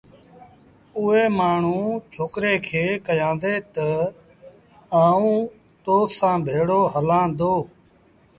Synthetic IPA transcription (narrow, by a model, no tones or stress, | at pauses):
ʊːɦeːmaːɳ̤ũːt͡ʃʰoːkɾeːkʰeːkəjãːnd̪eːt̪ə | aːũː | t̪oːsãːbʱeːɽoːɦəlãːd̪oː